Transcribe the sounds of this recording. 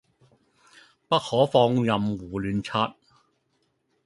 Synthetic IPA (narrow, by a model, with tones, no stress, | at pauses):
pɐ˥t̚hɔː˨˥fɔː˧ŋjɐ˨mwuː˨˩lyː˨nt͡sʰaː˧t̚